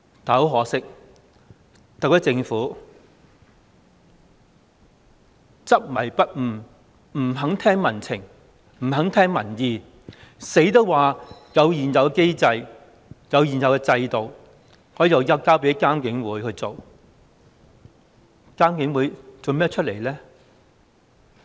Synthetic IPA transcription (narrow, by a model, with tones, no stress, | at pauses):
t̪aː˨˧ho˨˥wɦɔː˨˥sɪ˥k̚ | t̪ɐ˨k̚jɐ˥t͡sɪ˧ŋfuː˨˥ | t͡sɐ˥p̚mɐ˨˩jpɐ˥t̚m̩˨˩ | m̩˨˩ɦɐ˨˥ŋt̪ʰɛː˥ŋmɐ˨˩nt͡sʰɪ̰˨˩ŋ | m̩˨˩ɦɐ˨˥ŋt̪ʰɛː˥ŋmɐ˨˩njiː˨˧ | se˨˥jt̪̬o˥wwaː˨jɐ˨˧wjiː˨˩njɐ˨wkɛ˧ke˥jt͡sɐ˧j | jɐ˨˧wjiː˨˩njɐ˨wkɛ˧t͡sɐ˧jt̪o˨˩w | hɔː˨˥jiː˨˩jɐ˨˧wjɐ˧˩kaː˥wpe˨˥jkaː˥mkɪ˨˥ŋwuː˨˥jhɵ˧ɥt͡so˨w | kaː˥mkɪ˨˧˥ŋwuː˨˥jt͡so˨wmɛː˥t͡ʃʰɵ˥t̚le˨˩jlɛː˥